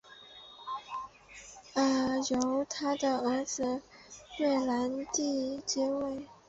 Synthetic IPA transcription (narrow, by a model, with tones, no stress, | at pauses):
ə˥˩jo˧˥ʊt̪ʰa˥d̪ə˨ə˧˥d͡zɹ̩˧ɥɛ˥˩la˧˥nt̪i˥˧t͡ɕɛ˥we˥˩ɪ